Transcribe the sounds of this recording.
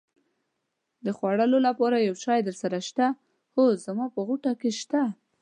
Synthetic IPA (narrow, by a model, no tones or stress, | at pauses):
d̪əxwaɽəlolapɑɾajawt͡ʃɑjd̪əɾsaɾaʃt̪a | hozamɑpəɣuʈakeʃt̪a